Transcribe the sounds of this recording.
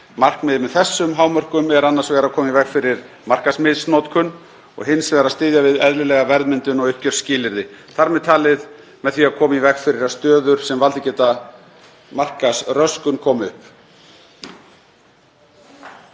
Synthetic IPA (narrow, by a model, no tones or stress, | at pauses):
mar̥knmɛːðɪmɛðθɛsːʏmɦaːwmœr̥kʏmɛɾanːaɾ̥svɛːɾakʰɔːmaivɛxfɪɾɪɾ̥ | mar̥kasmɪðsnowt̪kʰʏn | ɔ̰ɣɦɪnsvɛːɾast̪ɪːðjavɪðɛðlɪlɛːɣavɛɾðmɪnt̪ʏnɔɣʏhcœɾ̥scɪːlɪɾðɪθaɾmɛðt̪ʰaːlɪð | mɛðθiaðkʰɔːmaivɛxfɪɾɪɾast̪œːðʏɾ̥sɛmvalt̪ɪcɛːt̪a | mar̥kasrœskʏnkʰɔːmʏhp